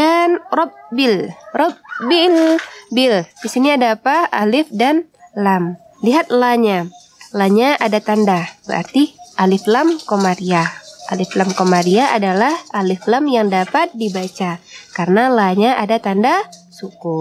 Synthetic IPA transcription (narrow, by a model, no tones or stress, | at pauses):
danrɔp̚bɪlrɔp̚bilbɪldisiniadaːpaalɪfdanlam | liɦat̪̚laɲa | laɲaʔadat̪andabəɾa̰rt̪iʔalɪflamkomaɾiaʔalɪflamkomaɾiaʔadalahʔalɪflamjaŋdapat̪̚dibat͡ʃakarənalaɲaʔadat̪andasuku